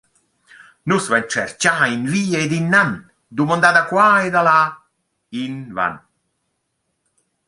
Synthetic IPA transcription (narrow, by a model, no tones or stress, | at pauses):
nusvɛnt͡ʃɛrt͡ʃainviːeed̪inːan | d̪umɔnd̪ad̪akwaed̪ala | inva̰n